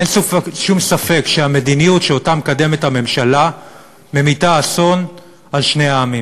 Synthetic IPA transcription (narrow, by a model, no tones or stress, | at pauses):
ensufeʃumsafe̞kʃeame̞dinijutʃeotamekade̞methame̞mʃala | me̞mitaːso̞n | alʃne̞aːmim